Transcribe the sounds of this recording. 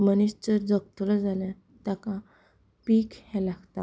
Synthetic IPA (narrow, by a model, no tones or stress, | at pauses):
məniɕt͡ɕəɾd͡zəɡt̪olad͡zaljã | t̪akã | piːkhɛ̃laɡt̪a